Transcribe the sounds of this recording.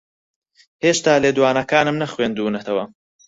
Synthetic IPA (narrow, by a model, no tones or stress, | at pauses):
heːʃt̪aːleːd̪waːnɐkaːnɨmnɐxweːnd̪uːnɐt̪ʰɐwɐ